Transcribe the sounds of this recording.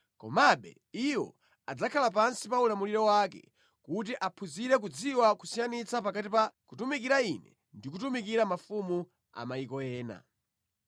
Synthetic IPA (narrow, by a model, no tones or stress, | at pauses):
kɔ̰maɓɛ̰ | iwɔ̰ | ad͡zakʰalap̬ansipaulamuliɾɔwakɛ̰ | kut̬iʔapʰuziɾɛk̬ud͡ziwakusijanit͡sapakatipakutumikiɾainɛ̰ | ndikutumikiɾamafumu | a̰maikɔjɛːna̰